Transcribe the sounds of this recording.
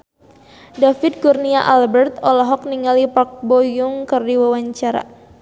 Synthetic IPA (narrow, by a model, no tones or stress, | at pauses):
dafid̚kurniaʔalbɛrt̪ɔlɔɦɔk̚niŋalipak̚bojuŋkɨrdiwawaɲt͡ʃaɾa̰